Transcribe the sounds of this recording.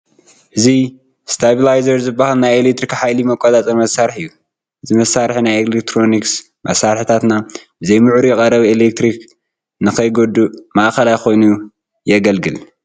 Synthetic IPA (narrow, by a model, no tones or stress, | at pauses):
ʔɨzi | st̪ʰabilajzɐɾzɨbːahalnajelek̚t̪ɾikħajlimɐkʷʼːot̪ʼat͡sʼɐmɐsːaɾħɨjːu | ʔɨzimɐsaɾħinajelekt̪ʰɾo̞niks | mʔɐsaɾħit̪ʰat̪nabɨzejmɨʕɾujɛkʼɐɾɐβielek̚t̪ɾik | nɨkʰɐjɡod̪umaʔxɐlajxo̞jnu | jɛɡɐlɡɨl